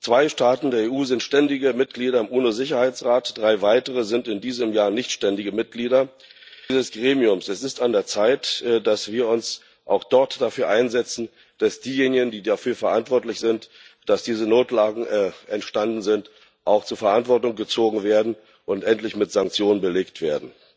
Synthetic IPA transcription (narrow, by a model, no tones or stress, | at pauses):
t͡sv̥aɪʃtaːtn̩deːɐeːʔuːzɪntʃtɛndɪɡəmɪt̚ɡ̥liːɾɐɪmʔuːnozɪçɐhaɪt͡sʁaːtd̥ʁaɪvaɪtəʁəzɪntɪndiːzəmjaːɐnɪçtʃtɛndɪɡəmɪt̚ɡ̥liːdɐ | zəsɡ̥ʁeːmiʊmsɛsɪstandeːɐt͡saɪtd̥asv̥iːɐʊns | ʔa̰ʊxd̥ɔɐtd̥afyːɐʔaɪnzɛt͡sn̩ | d̥asd̥iːjeːnɪɡən̩diːdafyːɐfɛɐʔantv̥ɔɐtlɪçz̥ɪnt | d̥asd̥iːzənoːtlaːɡŋ̩ʔɛntʃtandn̩zɪnt | ʔaʊxt͡suːɐfɛɐʔantv̥ɔɐtʊŋɡət͡soːɡŋ̩veːɐdn̩ | ʔʊntʔɛntlɪçmɪtz̥aŋk̚t͡sjoːnənbəleːktv̥eːɐdn̩